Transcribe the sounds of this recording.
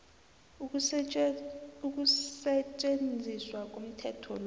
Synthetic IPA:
uk̬ʼusɛt͡ʃʼend͡zʱiswak̬ʼom̩tʰɛtʰɔl

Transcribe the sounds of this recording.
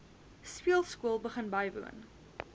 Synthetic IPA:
spiəlˠskuəlˠbəχənbɐjvṵən

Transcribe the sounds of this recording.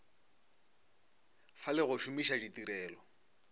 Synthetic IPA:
falɪɣʊʃʊmiʃaʒit̪iɾɛːlɔ

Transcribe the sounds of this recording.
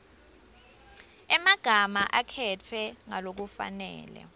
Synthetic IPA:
ɛmaɡ̥ʱamaʔakʰɛtʰwɛŋalok̬ufa̰nɛ̰ːlɛ̰

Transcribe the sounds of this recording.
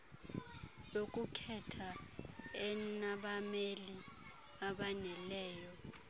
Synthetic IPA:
lokʼukʰɛtʰa | ɛnaɓameli | aɓanɛlɛːjɔ

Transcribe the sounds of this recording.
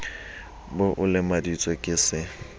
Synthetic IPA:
bʊʔʊlɪmadit͡sʼwekʼɪsɪ

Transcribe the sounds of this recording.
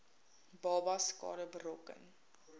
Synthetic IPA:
bɑːbɐskɑ̰ːɾəbəɾɔkə̰n

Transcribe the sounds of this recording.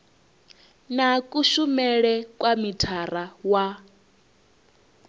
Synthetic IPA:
nakʼuʃumɛɺɛkʼwamitʰarawa

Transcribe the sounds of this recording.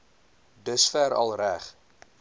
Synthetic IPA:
dəsfæɾɐ̰lˠræχ

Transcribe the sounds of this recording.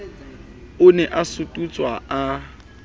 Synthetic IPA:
ʊnɛʔasʊtʼut͡sʼwaa

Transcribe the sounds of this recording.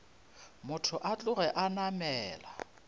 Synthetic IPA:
mʊtʰʊʔat͡ɬʼʊɣɛʔanamɛːla

